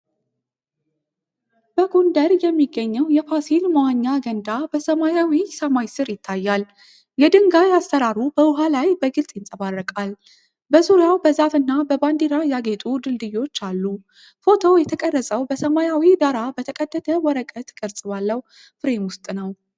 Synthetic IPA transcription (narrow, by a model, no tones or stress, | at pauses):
b̥əɡond̪əɾjɛmːiɡːəɲːəwjɛfasilmawaɲːaɡənd̪abəsəmajawisəmajsɨɾjɪt̪ʰːajːal | jɛd̪ɨŋɡajast̪əɾaɾubəwʊɦalajbəɡɨlsʼjɪnsʼəβarːəkʼal | bəzuɾjawbəzafɨnːabəband̪iɾajaɡet̪ʼud̪ɨld̪ɨjo̞t͡ʃːalːu | fo̞t̪ʰowjɛt̪ʰəkʼərːəsʼəwbəsəmajawid̪aɾabət̪ʰəkʼəd̪ːət̪ʰəwɔɾəkʼət̪kʼəɾsʼɨβalːəh | fɨɾe̞mwʊst̪ʼnəw